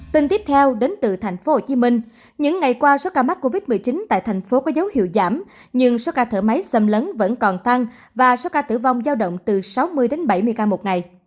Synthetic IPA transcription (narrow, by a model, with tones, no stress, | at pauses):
t̪i˧ŋt̪i˦˥əp̚t̪ʰɛ˧wɗe˨˦nt̪ɨ˨˩t̪ʰa˨˩jŋ̟fo˨˦ho˧˨˩t͡ɕi˨˦mï˧ŋ̟ | ɲɨ̰˧˥ŋːa˨˩jkwaː˧so˨˦kaː˧ma˦˥t̚kːo˧vi˦˥t̚mɨ˨˩əjt͡ɕi˨˦nt̪a̰ː˧˨jt̪ʰɛ˨˩jŋ̟fo˨˦kɔ˨˦zə˨˦whḭ˧˨əwzaː˧˩m | ɲɨ˧ŋso˨˦kaː˧t̪ʰəː˧˩ma˨˦jsə˧mləː˨˦nvə̰˧˥nkɔ˨˩nt̪a˧ŋ | vaː˨˩so˨˦kaː˧t̪ɨ̰˧˩va˧wŋ͡mzaː˧wɗə̰˧˨wŋ͡mt̪ɨ˨˩sa˨˦wmɨ˧əjɗe˨˦nɓa˧˩jmɨ˧əjkaː˧mo˨˩t̚ŋa˨˩j